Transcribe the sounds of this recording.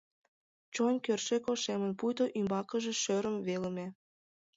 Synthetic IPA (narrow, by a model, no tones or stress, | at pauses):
t͡ɕonʲkørʃekoʃemə̆npujt̪oʔymbɑkə̆ʒĕʃøɾə̆mβelə̆mĕ